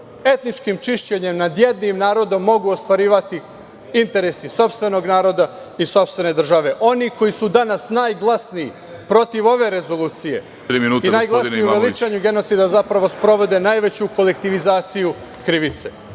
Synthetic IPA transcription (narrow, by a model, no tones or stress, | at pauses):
e̞t̪nit͡ʃkimt͡ʃiʃt͡ɕeɲe̞mnad̪je̞d̪nimnaːɾo̞d̪o̞mːo̞ɡuost̪ʋaɾiːʋat̪i | int̪e̞ɾesiso̞pst̪ʋe̞no̞ɡnaːɾo̞d̪a | iso̞pst̪ʋe̞ne̞d̪r̩ʒaʋe̞ʔo̞niko̞jisud̪anasnaːjɡlˠasnii | pɾo̞t̪iʋo̞ʋe̞ɾe̞zo̞lˠuːt̪sije̞̰ | ɾiminuːinaːjɡlˠasniuʋelit͡ʃaɲuɡe̞no̞t̪sid̪azapɾaʋo̞spɾo̞ʋo̞d̪e̞najʋe̞t͡ɕuko̞le̞kt̪iʋizaːt̪siju | kɾiʋit̪se̞